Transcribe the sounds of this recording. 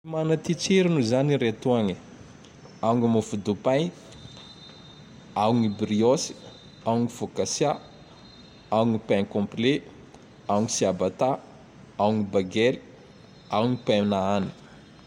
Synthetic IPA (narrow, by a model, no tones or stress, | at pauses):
imanat̪it͡ʃeɾinuzaniɾet̪uaŋi | auŋimufud̪upan | awuŋibɾiosi̥ | auŋifokasja | awuŋipaŋkɔ̃mple | awŋisiabat̪a | awuŋibaɡɛli | awuŋipaminaani̥